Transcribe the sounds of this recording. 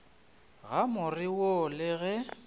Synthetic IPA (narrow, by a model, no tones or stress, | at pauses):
ɣamʊrɪwolɪɣɛ